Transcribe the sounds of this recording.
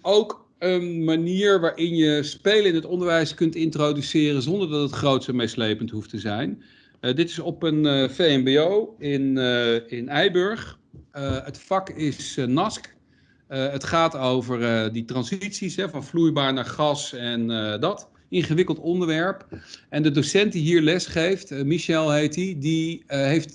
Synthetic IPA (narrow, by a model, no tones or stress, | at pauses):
owk | ənmaniːɹʋaːɹʔɪnjəspejləɪnətɔndəɹʋɛjskɵntɪntrowdysɪːrənzɔndəɹdɑtətχrowtsəmɪslejpəntɦuftəzɛjn | dɪtɪsɔpənvejɛmbeowɪnɪnɛjbɵɹχ | ətfɑkɪsnɑsk | ətχaːtowvəɹəditrɑnzitsisɦɛvɑnvlujbaːɹnaːɹχɑsɛndɑt | ɪŋχəʋɪkəlˠtɔndəɹʋɛɹpɛndədosɛnt̚diɦiːɹlɛsχejftmiʃɛlˠɦejtidiɦejft